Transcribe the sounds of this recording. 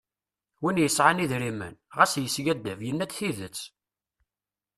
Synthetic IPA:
winjəsʕaniðɾimə̰nʁæsjəsɡæd̪ːævjənːæt͡sθiðət͡sː

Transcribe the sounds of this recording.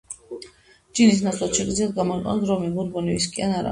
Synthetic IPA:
d͡ʒinis̬nat̪sʰlˠat̪ʃɛɡʼid̪ziad̪̚ɡamɔiqʼɛ̰nd̪ɾɔmibuɾbɔniviskʼianaɾa̰

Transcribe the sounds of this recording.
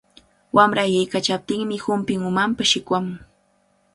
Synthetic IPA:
wʔamɾajajkat͡ʃap̚t̪ɪŋmɪhʊmpɪŋʊmampaʃɪkwamʊŋ

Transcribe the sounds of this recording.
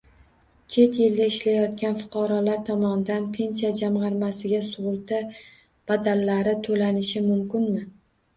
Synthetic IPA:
t͡ʃʰe̞t̪jɪld̪aɪʃlajɒt̪kʲanfʊ̥qʰɑɾɒlaɾt̪ʰɒmɒnɪd̪anpʰe̞nsijad͡ʒamʁɑɾmasɪɡʲasʊʁʊɾt̪ʰa | b̥ad̪alːaɾɪt̪ʰolanɪʃɪmʊmkʲɪnmɪ

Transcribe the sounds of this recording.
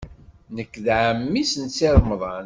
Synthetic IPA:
nəkːðʕəmːisnt͡sːiɾˤmðˤɑn

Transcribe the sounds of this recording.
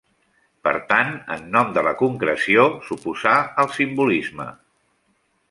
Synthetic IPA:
pə̰ɾt̪anə̰nːɔmd̪ələkuŋkɾəsiosupuzaəlˠsimbulizmə̰

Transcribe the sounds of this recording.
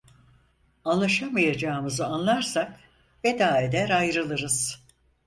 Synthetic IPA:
anlˠaʃamajad͡ʒaːɯmɯzɯanlˠaɾsak | ve̞d̪aːed̪ɛɾajɾɯlˠɯɾɯz̥

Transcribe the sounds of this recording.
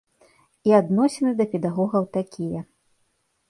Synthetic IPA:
iad̪nɔsʲɛnɨd̪ɐpʲɛd̪aɣɔɣɐwt̪akʲijɐ

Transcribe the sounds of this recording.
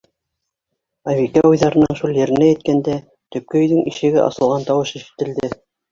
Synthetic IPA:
ɑβikæujðɑɾɤ̆nɤɴʃulˠjɘ̆ɾɘ̆næjɘ̆t̪̚kænd̪æ | t̪ɵ̆p̚kɵ̆ɵ̆jðɘŋiʃɘ̆ɡɘʔɑ̰sɤ̆lˠʁɑnt̪ɑwɤʃĭʃɘ̥̆t̪ɘ̆ld̪ɘ

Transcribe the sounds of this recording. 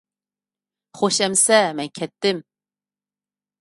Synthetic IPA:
χoʃɛmsɛmɛnkʲʰɛt̪ːɪm

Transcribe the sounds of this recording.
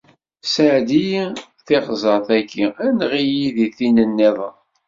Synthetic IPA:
səʕd̪iji | θɪʁzˤəθækʰːiænʁijiðiθinənːeðˤ

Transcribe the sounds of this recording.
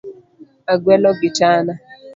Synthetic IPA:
aɡwɛlɔɡɪtana

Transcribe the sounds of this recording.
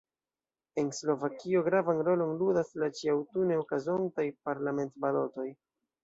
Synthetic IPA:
e̞nslo̞vakio̞ɡɾavanɾo̞lo̞nludaslat͡ʃiawtune̞okazo̞ntajpaɾlame̞ntbalo̞to̞j

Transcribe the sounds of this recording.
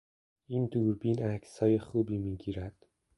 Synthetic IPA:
iːnd̪uːɾbiːnæcʰsɒːjexuːbiːmiːɟiːɾæd̪̥

